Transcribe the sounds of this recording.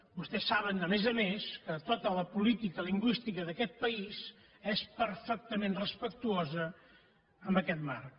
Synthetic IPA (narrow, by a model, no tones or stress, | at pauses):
bust̪ɛsːaβ̞ənd̪əmezəmeskət̪ot̪ələpulit̪ikəliŋɡwist̪ikəðəkɛt̪̚pəiz | ɛspəɾfək̚t̪əmẽnrəspək̚t̪uozə | əmbəkɛt̪mar